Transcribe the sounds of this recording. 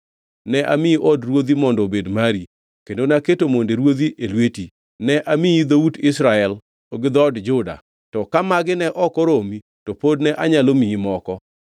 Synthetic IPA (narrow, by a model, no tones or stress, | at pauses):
nɛʔamɪiʔɔdrwod̪imɔndɔbedmaɾi | kendonaketomondeɾwod̪iʔelweti | nɛʔamiid̪oudɪsɾaɛl | oɡɪd̪ɔdd͡ʒʊda̰ | tɔkamaɡɪnɛʔɔkɔɾomi | tɔpodnɛʔaɲalomiimɔkɔ